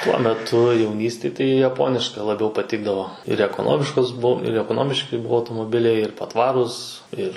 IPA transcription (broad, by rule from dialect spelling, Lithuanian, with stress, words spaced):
tuɔ mʲɛˈtʊ jɛʊˈnʲiːsʲtʲeːj tɐɪ jɛˈpoːnʲɪʃkɐ lˠɐˈbʲɛʊ pɐˈtʲɪɡdɐʋoː ɪr ɛkoːˈnoːmʲɪʃkoːs ˈbʊw ɪr ɛkoːˈnoːmʲɪʃʲkʲɪ ˈbuɔ ɐʊtoːmoːˈbʲɪlʲɛɪ ɪr pɐˈtʋɑːruːs ˈɪr